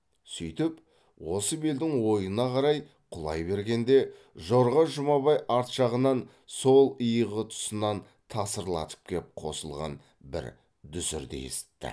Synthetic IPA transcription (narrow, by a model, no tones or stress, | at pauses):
sʏjt̪ɪp | wo̞səbeld̪ɪŋwo̞jənɑqʰɑɾɑj | qʰʊlˠɑ̰jbe̞ɾɡʲe̞nd̪e̞ | ʒo̞ɾʁɑʒʊmɑβɑjɑɾt̪ʃɑʁənɑn | solˠəjəʁət̪ʰʊ̥sənɑn | t̪ʰɑsəɾlˠɑ̰t̪ʰə̥p̚kʲʰep̚qʰo̞̰səlˠʁɑ̰n | bɪ̰ɾ | d̪ʏzɪ̰ɾd̪ḛḛsɪ̥t̪ːɪ̰